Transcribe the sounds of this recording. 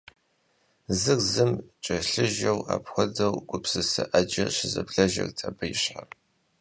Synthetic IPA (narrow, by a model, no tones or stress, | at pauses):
zɨrzɨmt͡ʃʼɐɬɨʒɐwaːpxʷɔdɐwɡʷʼʊpsɨsɨʔɐd͡ʒɐɕɪzɐ̰bɮɐʒɐ̰rtʰɐbɨjɪɕħar